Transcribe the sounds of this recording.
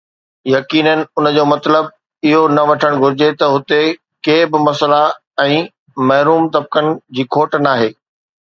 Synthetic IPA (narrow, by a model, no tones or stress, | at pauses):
jɐkiːnənɪ̆ʊnə̆d͡ʑoːmɐt̪ləb̚ | ɪɦonɐʋɐʈʰəɽ̃ɡʱʊɾɪd͡ʑet̪ɐɦʊt̪e | keːbɪmɐsəla | ɛ̃ː | mɐɦɾuːmt̪ɐb̚kənɪ̆d͡ʑiːkʰoːʈnaːɦeː